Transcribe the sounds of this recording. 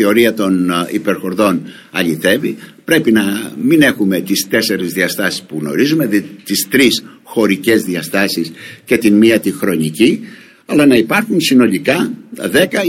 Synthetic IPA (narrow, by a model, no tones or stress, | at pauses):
eo̞ɾiɐt̪o̞nḭpe̞ɾxo̞ɾðo̞n | ɐʎiθe̞vipɾe̞pinɐmine̞xume̞t̪ist̪e̞se̞ɾizðiɐst̪ɐsi̥spuɣno̞̰ɾizume̞t̪ist̪ɾisxo̞ɾice̞zðiɐst̪ɐsisce̞t̪inmiɐt̪ixɾo̞nici | ɐlɐnɐipɐɾxunsino̞likɐðe̞kɐ